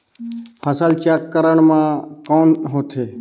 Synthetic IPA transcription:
həsalt͡ʃaːkːəɾəɳmãkoːnɦoːt̪ʰeː

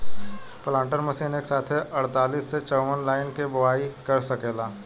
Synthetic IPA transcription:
plãːɳʈəɾmɐsiːneke̥saːt̪ʰɦɛʔɐɽt̪aːliːsːet͡ʃɔʊʋənlaːɪnkebʊʋaːikɐɾsɐkeːlaː

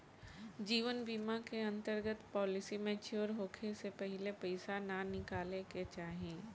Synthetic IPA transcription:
d͡ʒiːʋənbiːmakeɐ̃nt̪əɾɡət̪pɔːlɪsimɛ̃t͡ʃoɾɦoːkʰesepəɦɪlepɐɪsananɪkaːleket͡ʃaːɦiẽː

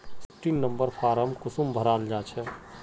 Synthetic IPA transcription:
skʈinnəmbəɾpʰaːɾəmkʊsumbʱəɾaːld͡ʒaːt͡ʃʰɛ

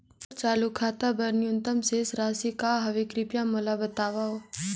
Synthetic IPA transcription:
ɾt͡ʃaːlukʰaːt̪abɐɾnjʊnt̪əmseːsɾaːsikaɦɐʋekɾɪpjamolabɐt̪aːʋaɦoː

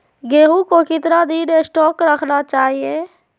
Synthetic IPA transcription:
ɡeːɦũkokɪt̪nad̪iːɾesʈɔːkɾəkʰnat͡ʃaːɦie

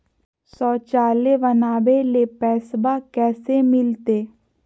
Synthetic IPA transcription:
sɔːt͡ʃaːlebənaːbelepɛːsbakɛːsemɪlt̪eː

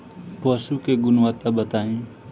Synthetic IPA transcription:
poːsuːkeːɡʊnʋaːt̪aːbət̪aːĩː

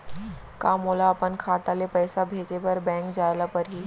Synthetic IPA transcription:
kaːmoːlaəpənkʰaːt̪alepəːsabʱeːt͡ʃebəɾbɛ̃ːŋkd͡ʑaːjlapəɾɦiː

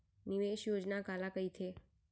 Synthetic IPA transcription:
nɪʋeːʃjoːd͡ʒnakaːlakəit̪ʰeː

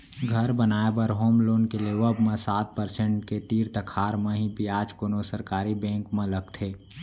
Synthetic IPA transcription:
ɡʱəɾbənaːebəɾɦoːmloːnkeleʋəbmẽsaːt̪̚pəɾsẽɳʈket̪iːɾt̪əkʰaːɾmẽɦibiaːd͡ʒkoːnosəɾkaːɾibɛ̃ːŋkmẽləɡt̪ʰeː

